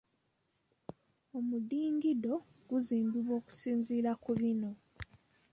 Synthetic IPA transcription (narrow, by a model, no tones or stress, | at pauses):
omudiːŋɡido̞ | ɡ̥uziːmbiβwo̞ːku̥siːnziːɾakuβino̞